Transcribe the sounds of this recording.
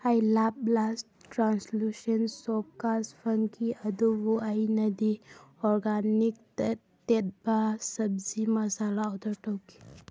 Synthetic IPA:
hajlap̚las | tɾanslusənsɔp̚kaspʰənkʰiɐdubuajnɐdiɔɾɡanik̚ | tet̚b̥asɐb̚zimɐsalaɔwdɔtɔwki̥

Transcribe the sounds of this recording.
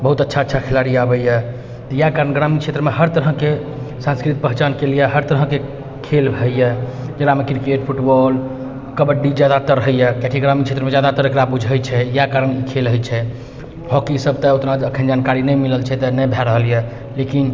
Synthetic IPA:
bəɦut̪ətːʃʰaətːʃʰakʰelaɾiabəjɛ | t̪ɔjakaɾənɡɾamikt͡ʃʰet̪ɾəmeɦəɾt̪əɾɦə̃kesãnskɾit̪̚pəɦt͡ʃankeljɛɦəɾt̪əɾɦə̃ke | kʰelbʱɛjɛd͡ʒeɽamekɾikeʈpʰuʈbɔl | kəbəɖid͡ʒjad̪at̪əɾəɦəjɛkɛʈʰiɡɾamikt͡ʃʰet̪ɾəmed͡ʒjad̪at̪əɾekɾabud͡ʒʱəjt͡ʃʰɛjakaɾənikʰelɦəjt͡ʃʰɛ | ɦɔkisəb̚t̪əot̪nad͡ʒəkʰənd͡ʒankaɾinɛjmiləlt͡ʃʰɛt̪ənɛbʱɛɾəɦəlijɛ | lekin

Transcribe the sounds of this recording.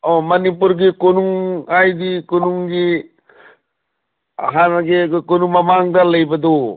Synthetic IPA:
ɔmɐnip̬uɾɡikonuŋajdikonuŋɡi | a̰ɦanɡekonuŋmamaŋdalɐjbɐd̪ɔ

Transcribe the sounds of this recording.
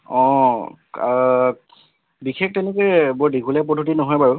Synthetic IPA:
ɔ̃ | bixʰek̚tɛnɛkɛbɔɹdiɡʱulɛp̬ɔdʱutinɔɦɔjbaɹu

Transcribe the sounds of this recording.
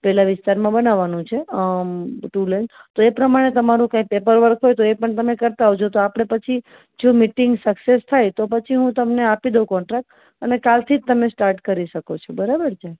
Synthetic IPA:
pɛlaʋɪst̪aɾmãbənaʋːanũt͡ʃʰe | ʈulent̪oepɾəmaɽ̃et̪əmaɾũkãĩpepəɾʋəɾkʰɦojt̪oepəɳt̪əmekəɾt̪aɦot͡ʃʰot̪oapəɽ̃epət͡ʃʰi | d͡ʒomiʈɪŋɡsəksest̪ʰajt̪opət͡ʃʰiɦũt̪əmneapid̪okɔɳʈɾak̚ʈ | ənekalt̪ʰid͡ʒ̚t̪əmesʈaɾʈkəɾiʃəkot͡ʃʰobəɾabəɾd͡ʒaj

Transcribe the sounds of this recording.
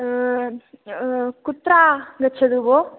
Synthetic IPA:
kut̪ːɾaːɡɐt͡ʃʰːɐd̪uʋo

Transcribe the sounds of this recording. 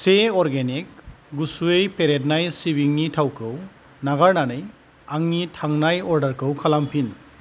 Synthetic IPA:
seɔɾɡenik̚ɡusuejpeɾet̚najsibiŋnitʰawkʰɯw | naɡaɹnanɯj | aŋnitʰaŋnajɔɾdɐɾkʰɯwkʰalampʰin

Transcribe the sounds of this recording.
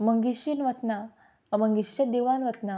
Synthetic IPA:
məŋɡiɕinʋət̪na | əməŋɡiɕɕəd̪iʋanʋət̪na

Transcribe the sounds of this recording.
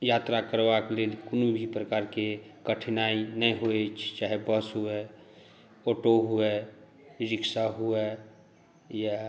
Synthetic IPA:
jat̪ɾakəɾwaklelkʊnubʱipɾəkaːɾkekəʈʰnainəĩɦoet͡ʃʰt͡ʃaːɦebəsɦue | oʈoɦue | ɾɪksaɦue | ja

